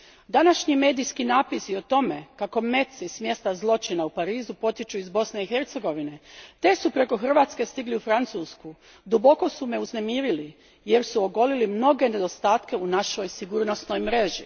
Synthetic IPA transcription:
d̪anaʃɲime̞ːd̪ijskinaːpisio̞t̪o̞me̞kako̞me̞t̪sismje̞st̪azlˠo̞t͡ʃinaupaɾiːzupo̞t̪it͡ʃuizbo̞sne̞ixe̞ɾt̪se̞ɡo̞ʋine̞t̪e̞supɾe̞ko̞xr̩ʋaːt̪ske̞st̪iɡliufɾant̪suːsku | d̪ubo̞ko̞sume̞uzne̞miːɾili | je̞ɾsuo̞ɡo̞lilimno̞ɡe̞ne̞d̪o̞st̪aːt̪ke̞unaʃo̞jsiɡuːɾno̞sno̞jmɾe̞ʒḭ

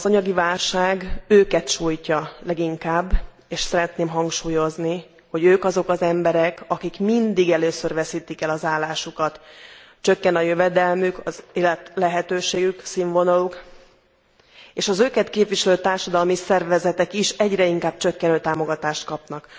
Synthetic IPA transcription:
zɒɲɒɡivaːlʃaːɡøːkɛt̪ʃuːjcɒlɛɡiŋkaːbː | eːʃsɛɾɛt̪neːmɦɒŋkʃuːjo̞zni | ho̞ɟøːkɒzo̞kɒzɛmbɛɾɛkɒkikmind̪iɡɛløːsørvɛsiːt̪ikɛlɒzaːlːaːʃukɒt̪ | t͡ʃø̞kːɛnɒjøvɛd̪ɛlmykɒzeːlɛt̪lɛɦɛt̪øːʃeːɡyksiɱvo̞nɒluk | eːʃɒzøːkɛt̪keːpʋiʃɛløːt̪aːrʃɒd̪ɒlmisɛrvɛzɛt̪ɛkiʃɛɟrɛiŋkaːbt͡ʃøkːɛnøːt̪aːmo̞ɡɒt̪aːʃt̪̚kɒpnɒk

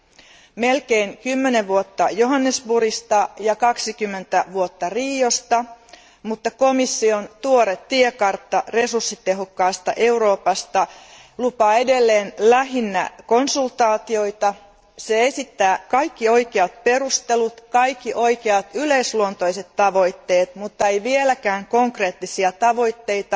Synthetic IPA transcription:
me̞lkeːŋkymːe̞neʋuot̪ːɑjoɦɑnːesbuɾist̪ɑjɑkɑksikymːe̞nt̪æʋuot̪ːɑriːjo̞st̪ɑ | mut̪ːɑko̞misːio̞nt̪uoɾet̪tːiekɑrt̪ːɑre̞sursːit̪e̞ɦokːɑːst̪ɑʔe̞uɾo̞ːpɑst̪ɑ | lupɑːedelːeːnlæɦinːæ̰konsult̪ɑːt̪io̞it̪ɑ | seesit̪ːæːkɑikːioikeɑt̪̚perust̪elut̪kɑikːiʔoikeɑt̪yleisluont̪oiset̪tːɑʋoit̪ːeːt̪mut̪ːɑejʋielækæːŋkoŋkreːt̪ːisiɑt̪ɑʋoit̪ːeit̪ɑ

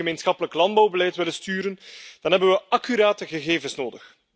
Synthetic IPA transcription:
əmensxɑpələklɑndbɑwbəlɛjtʋɪlənstyːɾənd̥ɑnɦɛbənʋəʔɑkyɾaːtəɣəɣeːvənsnoːdəx

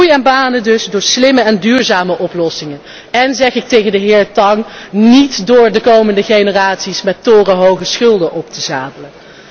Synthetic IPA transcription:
ujɛnbaːnədɵzdʊːɹslɪməɛndyːɹzaːməʔɔplɔsɪŋən | ɛnzɛχɪk̚tejɣəndəɦɪːɹtɑŋnitdʊːɹdəkowməndəχenəraːtsismɛtːʊːrəɦowχəsχɵlˠdənʔɔp̚təzaːdələn

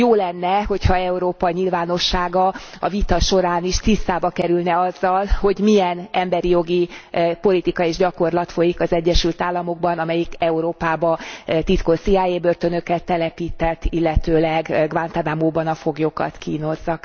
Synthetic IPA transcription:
joːlɛnːɛɦo̞chɒɛuɾoːpɒɲilvaːno̞ʃːaːɡɒɒvit̪ɒʃo̞ɾaːniʃt̪ist̪aːbɒkɛɾylnɛɒzːɒlho̞ɟmijɛnɛmbɛɾijo̞ɡipo̞lit̪ikɒeːʒɟɒko̞rlɒt̪fo̞jikɒzɛɟːɛʃylt̪aːlːɒmo̞ɡ̚bɒnɒmɛjikɛuɾoːpaːbɒt̪it̪ko̞siaːjeːbørt̪ø̞nø̞kɛt̪ːɛlɛpiːt̪ɛt̪ːilːɛt̪øːlɛɡɡvant̪ad̪amoːbɒnɒfo̞ɡjokɒ̰t̪kiːno̞zːɒk

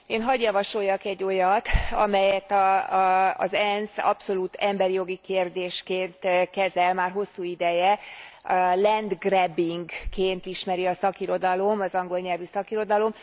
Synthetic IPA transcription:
eːnɦɒɟjɒvɒʃo̞jːɒkɛɟːo̞jɒt̪ɒ̰mɛjɛt̪ɒ̰ː | zɛnsɒ̰pso̞luːt̪ɛmbɛɾijo̞ɡikeːrd̪eːʃkeːnt̪kɛzɛlmaːrɦo̞sːuːid̪ɛjɛ | lɛnd̪ɡrɛbiŋɡkːeːnt̪iʃmɛɾiɒsɒkiɾo̞d̪ɒlo̞mɒzɒŋɡo̞lɲɛlvysɒkiɾo̞d̪ɒlo̞m

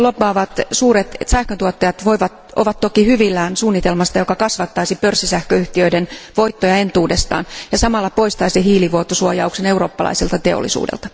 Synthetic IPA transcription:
lopːˑɑːʋɑt̪suːɾet̪sæhkønt̪uot̪ːɑjɑt̪ʋoiʋɑt̪ | ʔo̰ʋɑt̪t̪okihyʋilːæːnsuːnːit̪elmɑst̪ɑjo̞kɑkɑsʋɑt̪ːɑisipørsːisæhkøyht̪iøidenʋoit̪ːojɑe̞nt̪uːdest̪ɑ̰ːnjɑsɑmɑlːɑpoist̪ɑisehiːliʋuot̪ːosuojɑ̰ukse̞neuro̞̰ːpːɑlɑ̰isilt̪ɑt̪e̞o̰lːḭsṵːdḛlt̪ɑ̥

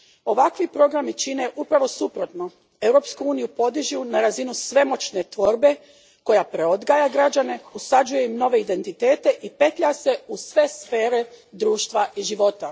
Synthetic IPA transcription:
o̞ʋakʋipɾo̞ɡɾamit͡ɕine̞ʔupɾaʋo̞supɾo̞t̪no̞ | e̞wɾo̞ːpskuuːnijupo̞d̪iʒiunaɾazinusʋe̞mo̞t͡ɕne̞t̪ʋo̞ɾbe̞ | ko̞japɾe̞o̞d̪ɡaːjaɡɾad͡ʑane̞usad͡ʒuje̞imno̞ʋe̞id̪e̞nt̪it̪e̞ːt̪e̞ʔipe̞t̪ʎase̞usʋe̞sfe̞ːɾe̞d̪ɾuːʃt̪ʋaʔiʒiʋo̞t̪a

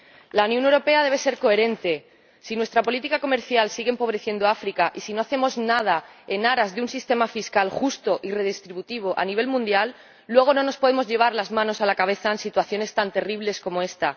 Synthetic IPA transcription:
launjonewɾo̞pe̞aðe̞β̞e̞se̞ɾko̞e̞ɾe̞nt̪e̞ | sinwe̞st̪ɾapo̞lit̪ikako̞me̞ɾθjalsiɣempo̞β̞ɾe̞θje̞nd̪oafɾikaʔisino̞aθe̞mo̞znað̞ae̞naɾazðeunsist̪e̞mafiskalxust̪o̞ʔire̞ð̞ist̪ɾiβut̪iβ̞oʔa̰niβ̞e̞lmũnd̪jalː | we̞ɣ̞ono̞no̞spo̞ð̞e̞mo̞zʝe̞β̞aɾlazmãno̞salakaβe̞θaensit̪waθjo̞ne̞st̪ant̪e̞riβle̞sko̞moe̞st̪a

